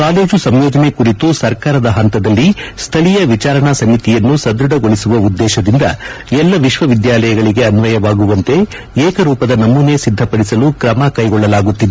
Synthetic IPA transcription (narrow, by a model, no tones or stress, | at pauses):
kaːleːd͡ʒusɐmjɔːd͡ʒɐnekuɾit̪usɐɾkaːɾɐd̪ɐɦɐnt̪ɐd̪ɐlːist̪ʰɐɭijɐʋit͡ʃaːɾɐɳɐsɐmit̪ijɐnːusɐd̪ɾuɖɐɡo̞ɭisuʋɐud̪ːɛːʃɐd̪ind̪ɐ̰ɛlːɐʋiʃʋɐʋid̪jaːlɐjɐɡɐɭiɡe̞ɐnʋɐjɐʋaːɡuʋɐnt̪e̞ | eːkɐɾuːpɐd̪ɐnɐmːune̞sid̪ʱːɐpɐɽisɐlukɾɐmɐkɐjɡɔɭːɐlaːɡut̪ːid̪e